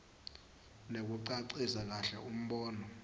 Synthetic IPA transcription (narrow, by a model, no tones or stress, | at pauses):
nek̬uǃaǀisak̬aɬɛum̩ɓɔːnɔ